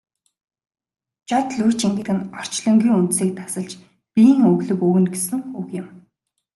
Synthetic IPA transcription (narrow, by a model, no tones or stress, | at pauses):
t͡ɕɔt̪ɮujʰt͡ɕiŋɡɘ̆ɣɘ̆nɔr̥t͡ɕɮɞ̆ŋɡʲiːŋunt̪siːk̚t̪ḁsə̆ɮt͡ɕ | pʲiŋɵɣɮɵ̆kɵːwɘ̆nɡesɘ̆ŋɵɣjɪ̆m